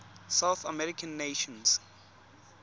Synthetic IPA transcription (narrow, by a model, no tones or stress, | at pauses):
sawθamɛɹikʰãnːeʃɔ̃ns